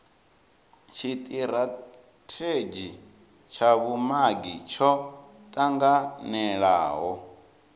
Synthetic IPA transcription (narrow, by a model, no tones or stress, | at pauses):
t͡ʃʰit̪ʼiɾa | tʰed͡ʒi | t͡ʃʰaβumaɡit͡ʃʰɔ | t̪ʼaŋɡanɛɺaːɦɔ